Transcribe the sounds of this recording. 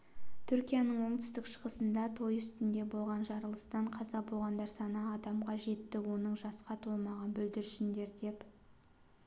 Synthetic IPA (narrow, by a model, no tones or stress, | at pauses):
t̪ʰʏɾkʲijanəɴwo̞ɴt̪ʰʏ̥st̪ɪkʃə̥ʁəsənd̪ɑt̪ʰo̞jʏst̪ɪnd̪e̞bo̞lˠʁɑnʒɑɾəlˠəst̪ɑɴqʰɑzɑbo̞lˠʁɑnd̪ɑɾsɑnəːd̪ɑmʁɑʒe̞t̪ːɪwo̞nəɴʒɑsqɑt̪ʰo̞lˠmɑʁɑnbɵld̪ɪɾʃɪnd̪e̞ɾd̪e̞p